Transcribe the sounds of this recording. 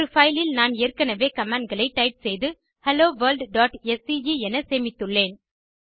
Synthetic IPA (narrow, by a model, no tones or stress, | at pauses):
ɾɯfɐɪlɪlnaːneːrkɐnɐʋeːkɐmaːɳɖ̚ɡɐɭɐɪʈːɐɪʈ̚sɛjðɯ | hɛloːʋɐːlɖɖaːʈɛsijiɛnɐseːmɪt̪ːɯɭːeːn